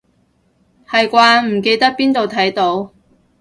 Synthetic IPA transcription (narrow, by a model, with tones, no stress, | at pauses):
hɐ˨jkʷaː˧m̩˨˩ke˧jt̪ɐ˥k̚piː˥nt̪o˨wt̪ʰɐ˨˥jt̪o˨˥w